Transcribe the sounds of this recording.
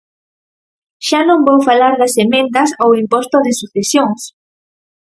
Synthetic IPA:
ʃanõmbowfalaɾðɐsemẽnt̪ɐsowimpost̪oðɪsuθesjoŋs

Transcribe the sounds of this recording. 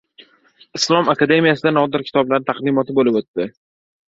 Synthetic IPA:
ɪslˠɒmakad̪e̞mijasɪd̪anɒd̪ɪɾkʲʰɪ̥t̪ʰɒblaɾɪt̪ʰaqd̪ɪmɒt̪ʰɪbolɪpot̪ːɪ

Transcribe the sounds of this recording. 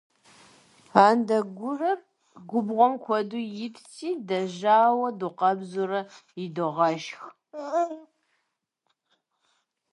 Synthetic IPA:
aːndɐɡʷʊrɐr | ɡʷʊbʁʷɔmkʷʰɔdujɪpʰtʰiːdɐʒaːwɐduqɐbzurɐɪdoʁɐʃx

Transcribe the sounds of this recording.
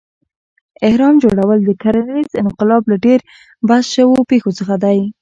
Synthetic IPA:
ɪhɾɑmd͡ʒoɽawəld̪əkaɾanizɪnqɪlɑblaɖeɾ | basʃəwopexot͡səxad̪aj

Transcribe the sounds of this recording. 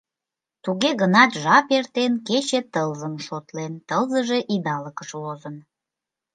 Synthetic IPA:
t̪uɣeɣənɑt̪ʒɑpert̪enket͡ɕet̪əlzəmʃot̪lent̪əlzəʒe̽ʔid̪ɑləkəʃlozən

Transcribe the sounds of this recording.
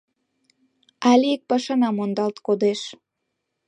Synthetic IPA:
ɑlʲiek̚pɑʃɑnɑmond̪ɑlt̪kod̪eʃ

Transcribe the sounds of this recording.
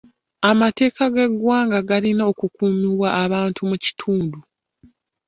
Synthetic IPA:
amate̞ːkaɡe̞ɡwaːŋɡaɡalinao̞kukuːmiɾwaʔːβaːntʰumuci̥tʰuːndu

